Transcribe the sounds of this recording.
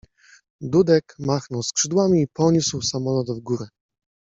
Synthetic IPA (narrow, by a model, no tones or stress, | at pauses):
d̪ud̪ɛkmaxnɔwskʂɘd̪wamʲiːpɔɲuswsamɔlɔt̪vɡuɾɘ